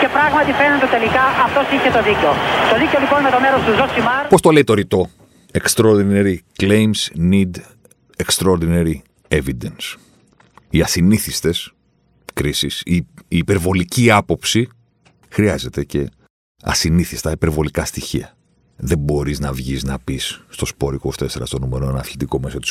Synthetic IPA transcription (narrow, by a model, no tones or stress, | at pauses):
ce̞pɾɐɣmɐt̪ifenent̪eot̪e̞likɐʔɐft̪osiçet̪o̞ðiceot̪oðiceolikoninet̪o̞meɾost̪uzosimɐɾpo̞st̪o̞le̞it̪o̞ɾit̪o̞ | e̞kst̪ɾoɾðinɐɾikle̞jmsnid̪ | ekst̪ɾɐoɾðinɐɾi | e̞vid̪ens | iɐsiniθist̪e̞s | kɾisisiiːpe̞ɾvo̞liciɐpo̞psi | xɾiɐze̞t̪e̞ce̞ | ɐ̰siniθist̪ɐipeɾvo̞likɐst̪içiɐ | ðe̞mbo̞ɾiznɐvʝiznɐpisːt̪o̞spo̞ɾikost̪eseɾɐ̰st̪o̞numeɾoenɐθlit̪iko̞me̞so̞t̪i̥s